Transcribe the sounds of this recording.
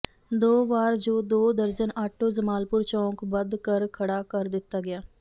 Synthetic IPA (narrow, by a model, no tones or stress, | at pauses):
d̪oːʋaːɾd͡ʒoːd̪oːd̪əɾd͡ʒənaːʈʰːod͡ʒəmaːlpʊɾt͡ʃɔ̃ːkbəd̪kəɾkʰɐɽakɐɾd̪ɪt̪aɡɐjaː